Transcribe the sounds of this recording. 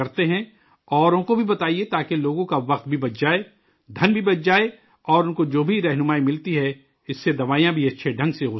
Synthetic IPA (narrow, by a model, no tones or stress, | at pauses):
ɐɾt̪eɦɛ̃ | ɔːɾõkobʱibɐt̪aːiet̪aːkeloːɡõkaʋɐq̚t̪̚bʱibɐt̪̚d͡ʒaːe | d̪ʱɐnbʱibɐt̪̚d͡ʒaːe | ɔːɾʊnkod͡ʒoːbʱiɾɛɦnʊmaːimɪlt̪iɦɛ | ɪsːed̪ɐʋaːijãbʱiɐtːʃʰeɖʱɐ̃ŋɡseʊ